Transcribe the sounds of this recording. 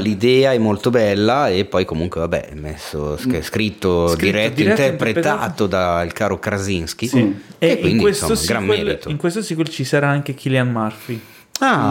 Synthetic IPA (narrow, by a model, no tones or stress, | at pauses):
lid̪ɛːaɛmːolt̪obɛlːaepːɔjkomuŋkwevabɛ̰ɛmːḛsːosskɾit̪ːodɾiɾɛt̪ːiiɾɛt̪ːeipɾet̪a̰t̪od̪ailkaːɾokɾazinsk̟isieewiniwesso̰t̪osɡɾamːɛːlɾit̪oiŋkwest̪osikolt͡ʃisaɾaaŋk̟ek̟iljanmarfi | a